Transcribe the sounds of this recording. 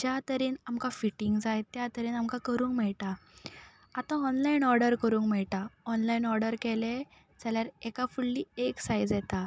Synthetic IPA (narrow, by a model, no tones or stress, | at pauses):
d͡ʑjat̪əɾiːnamkafiʈiŋɡd͡zajt̪ːjat̪əɾiːnamkakəɾũːŋkmɛɭʈa | at̪ãɔnlainɔɾɖəɾkəɾuːŋkmɛɭʈaɔnlainɔɾɖəɾkɛle | d͡zaljaɾekafulːiːeksajd͡zjɛt̪a